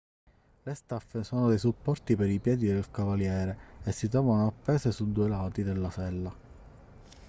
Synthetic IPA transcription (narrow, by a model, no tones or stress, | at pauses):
lest̪afːesɔːnod̪ejsupːɔrt̪ipeɾipjɛːd̪id̪elkavaljɛːɾeesːit̪̬ɾɔːvanoapːɛːsesud̪ːuːelaːt̪id̪elːasɛlːa